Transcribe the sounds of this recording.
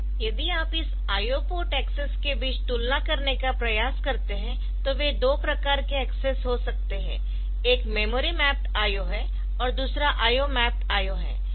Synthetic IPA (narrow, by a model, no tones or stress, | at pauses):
jɐd̪iaːpɪs | aːjopoʈɛːksəskebiːt͡ʃt̪uːlnakɐɾnekapɾɐjaːskɐɾt̪eɦɛ̃ | t̪oʋed̪oːpɾɐkaːɾkeɛːksɛsɦosɐk̚t̪eɦɛ̰̃ː | eːkmeːmoːɾimɛːp̚ʈaːjoɦɛ | ɔːɾd̪uːsɾaʔaːjomɛːp̚ʈaːjoɦɛ̰ː